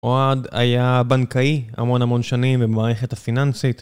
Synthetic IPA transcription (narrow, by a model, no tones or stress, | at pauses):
ʔoada̰jabankaia̰mo̞namo̞nʃanimvemaːʁeχethafinansit̪